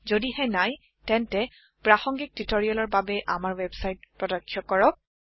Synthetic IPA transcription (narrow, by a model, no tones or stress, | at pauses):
zodihɛnaj | tɛntɛ | pɹaxɔŋɡik̚titoɹiɔlɔɹbabɛʔamaɹwɛbsajt̚pɹɔdɔkʰːjɔkɔɹɔk̚